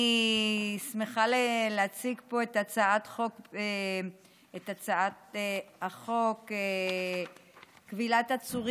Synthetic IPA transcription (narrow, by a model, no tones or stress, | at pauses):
i | smeχaleleat͡siɡpo̞etat͡saatχoke | et̪at͡saatehaχo̞ke | kvilatat͡suʁ